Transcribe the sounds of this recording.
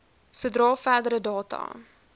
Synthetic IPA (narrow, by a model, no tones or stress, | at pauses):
sədrɑːfæːdəɾədɑːtɑ̰